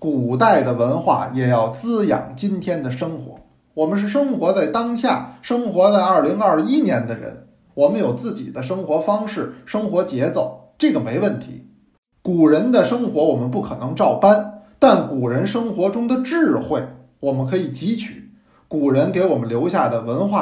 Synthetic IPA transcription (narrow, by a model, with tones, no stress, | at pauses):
ku˨˩t̪a˥˩ɪd̪ə˩wə˧˥nxwa̰˥˩jɛ˨˩jɑ˥˩ʊt͡sɹ̩˥jɑ̰˨˩ŋt͡ɕi˥nt̪ʰjɛ˥nd̪ə˨ʂɤ˥ŋxwɔ̰˧˥ | wɔ˨˩mə˦nʂ̬ɻ̩˥˩ʂ̬ɤ˥ŋxwɔ˧˥t͡sa˥˩ɪt̪ɑ˥ŋɕja̰˥˩ʂɤ˥ŋxwɔ˧˥t͡sa˥˧ɪɐ˞˥˩li˧˥ŋɐ˞˥˩i˥njɛ˧˥nd̪ə˧ɻə̰˧˥n | wɔ˨˩mə˦njo˨˩ʊt͡sɹ̩˥˩t͡ɕḭ˨˩d̪ə˦ʂɤ˥ŋxwɔ˧˥fɑ˥ŋʂɻ̩˥˩ʂɤ˥ŋxwɔ˧˥t͡ɕjɛ˧˥t͡so˥˩ʊʈ͡ʂɤ˥˩ɡə˩me˧˥ɪwə˥˩nt̪ʰḭ˧˥ | ku˨˩ɻə˧˥nd̪ə˧ʂɤ˥ŋxwɔ˧˥wɔ˨˩mə˦npu˥˩kʰɤ˨˩nɤ˧˥ŋʈ͡ʂɑ˥˩ʊpa˥nt̪a˥˩nku˨˩ɻə˧˥nʂɤ˥ŋxwɔ˧˥ʈ͡ʂʊ˥ŋd̪ə˨ʈ͡ʂɻ̩˥˩˧xwe˥˩ɪ | wɔ˨˩mə˦nkʰɤ˧˥i˨˩t͡ɕi˧˥t͡ɕʰy̰˨˩˦ | ku˨˩ɻə˧˥nke˧˥ɪwɔ˨˩mə˦nljo˧˥ʊɕja˥˩d̪ə˩wə˧˥nxwa˥˩